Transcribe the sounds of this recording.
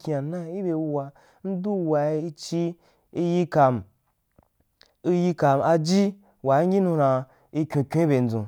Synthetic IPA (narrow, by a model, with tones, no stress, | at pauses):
kʲi˧a˨nã˦i˦bʲe˧wu˧wa˧ | n̩˦du˦˧wa˧˦i˦t͡ʃi˦ | i˦ji˦ka˧m˨ | i˦ji˧ka˧ma˧d͡ʒi˦ | wa˨˦ɡʲi˦nũ˧ɾã˧ | i˧kʲũ˧kʲũ˦i˦be˧n̩˦d͡zṵ̃˨